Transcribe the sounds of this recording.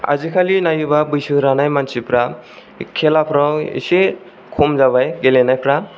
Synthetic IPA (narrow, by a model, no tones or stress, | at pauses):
a̰zikʰalinajubabɯjsɯɾanajmansipɾa | kʰelapʰɾawḭse | kʰomzaβajɡelenajpʰɾa